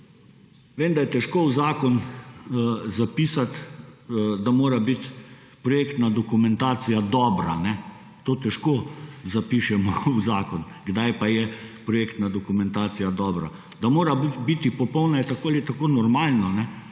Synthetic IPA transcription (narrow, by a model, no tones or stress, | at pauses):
ʋeːmd̪ajɛt̪ɛʃkowzaːkɔn | zapiːsat̪ | d̪amoːɾabit̪ | pɾɔjeːkt̪nad̪ɔkumɛnt̪aːt̪sijad̪ɔːbɾa̰nɛ | t̪oːt̪ɛʃkozapiːʃɛmɔuzaːkɔn | ɡd̪ajpajɛpɾɔjeːkt̪nad̪ɔkumɛnt̪aːt̪sijad̪ɔːbɾa̰ | d̪amoːɾabbit̪ipɔpɔwnajɛt̪akoalit̪akoːnɔɾmaːlnɔnɛ